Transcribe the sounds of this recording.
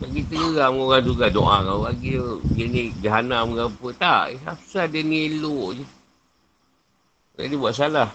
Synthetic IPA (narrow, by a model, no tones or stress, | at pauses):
baɡit̪əɡəɣaməŋoɣaŋd͡ʒuɡado̰ʔakallaɡidənid͡ʒaɦanaməɡapət̪a̰ʔiapsadiənieloʔd͡ʒə | d͡ʒa̰dibuaʔs̬alah